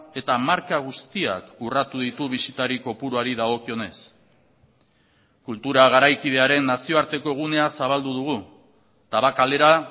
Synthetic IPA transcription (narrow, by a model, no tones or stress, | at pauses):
e̞t̪amaɾkaɣ̞ust̪ia̰kurat̪uð̞it̪uβ̞isit̪aɾiko̞puɾuaɾiðaɣo̞kio̞ne̞s | kult̪uɾaɣ̞aɾajkið̞e̞aɾe̞nːasio̞aɾt̪e̞ko̞ɣ̞une̞asaβald̪uð̞uɣ̞u | t̪aβakale̞ɾa